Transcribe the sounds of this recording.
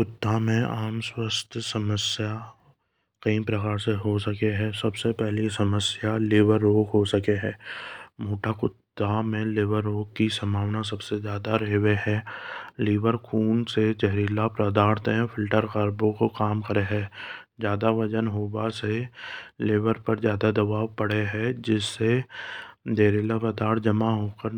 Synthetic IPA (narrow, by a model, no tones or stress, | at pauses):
kʊt̪ːamẽaːmswəst̪ʰsəməsja | qiːmpɾəkaːɾseɦosəkeɦɛ̃ːsɐbsepɛɦlisɐməsjaleːʋəɾːoːɡɦosɐkeɦɛ̃ːmoːʈakʊt̪ːamẽleːʋəɾːoːɡ̚kːisɐmʱaːʋnas̬ɐbsezjaːd̪aɾeɦweɦɛ̃ːleːʋəɾkʰuːnsed͡ʒɛɦɾiːlapɾəd̪aːɽt̪ẽɦɛ̃fʰɪlʈəɾkəɾbõkokaːmkəɾeɦɛ̃ːd͡ʒjaːd̪aʋɐd͡ʒənɦoːbaseleːʋəɾpəɾzjaːd̪ad̪ɐbaːʋpɐɽ̤eɦɛ̃d͡ʒɪsːe | d̪eːɾilapɾəd̪aːɽd͡ʒɐmaɦoːkəɾ